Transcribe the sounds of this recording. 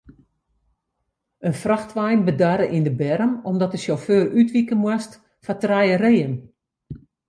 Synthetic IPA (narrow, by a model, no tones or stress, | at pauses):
ənfraxtʋɛjnbədaːɾəʔindəbɛɾəmɔmdɔtəʃoføːrytʋikənmwast | fatrɛjəreːən